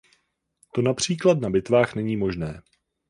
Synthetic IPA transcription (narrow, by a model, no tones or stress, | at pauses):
t̪o̞napr̝̥iːklat̪̚nabɪt̪vaːxnɛɲiːmo̞ʒnɛː